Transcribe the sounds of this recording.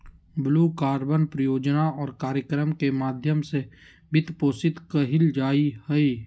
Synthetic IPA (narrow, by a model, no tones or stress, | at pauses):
bluːkaːɾbənpɾəjoːd͡ʒnaɔːɾkaːɾjəkɾəmkemaːd̪ʱjəmse | bɪt̪poːsɪt̪kəɦɪld͡ʒaːihəi